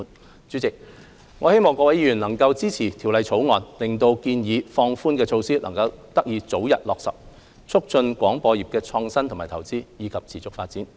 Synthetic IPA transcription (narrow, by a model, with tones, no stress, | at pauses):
t͡ʃyː˨˥t͡sɪ˨k̚ | ŋɔː˨˧he˥jmɔː˨ŋkɔː˧wɐ˨˥jiː˧˩y˨˩nlɐ˨˩ŋkɐ˧wt͡siː˥t͡sʰiː˨˩t̪ʰi˨˩wlɐ˨˧jt͡sʰo˨˥wŋɔː˨nlɪ˨ŋt̪o˧wkiː˧njiː˨˧fɔː˧ŋfuː˥nkɛː˧t͡ʃʰo˧wsiː˥lʔɐ̰˨˩ŋkɐ˧wt̪ɐ˥k̚jiː˨˧t͡so˨˥wjɐ̰˨t̚lɔː˨k̚sɐ̰˨˩p̚ | t͡sʰʊ˥k̚t͡ʃɵ˧nkʷɔː˨˥ŋpɔː˧ji˨p̚kɛː˧t͡sʰɔː˧ŋsɐ˥ntʰʊ˨˩ŋmaː˨˩t̪ʰɐ˨˩wt͡siː˥jiː˨˧kʰɐ˨p̚t͡sʰiː˨˩t͡sʊ˨˥k̚faː˧t̚t͡siː˨˥n